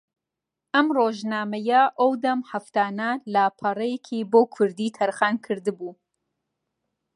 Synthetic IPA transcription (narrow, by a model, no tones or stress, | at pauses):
ʔɐmroːʒnaːmɐjɐʔɐwd̪ɐmhɐft̪aːnɐlapʰɐrˤɐjekʰiboːkʰʊɾd̪iːt̪ʰɐɾxaːnkʰɨɾd̪ɨbuː